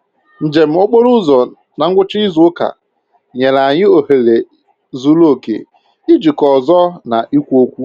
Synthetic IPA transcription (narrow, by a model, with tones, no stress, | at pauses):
n̩˨d͡ʒe˨m̩˦o˦k͡po˦ɾʊ˦zɔ˨ | na˨ŋ̩˦ɡʷʊ˦t͡ʃɪ˦ɪ˦zʊ˨˦ka̰˨ | ɲe˨la˨ɲɪ˦o˨he˨le˨ | zu˦lo˦˨kḛ˨ | ɪ˦d͡ʒi˨kɔ˨zɔ˦na˨ʔi˦kʷu˦o˦kʷu˦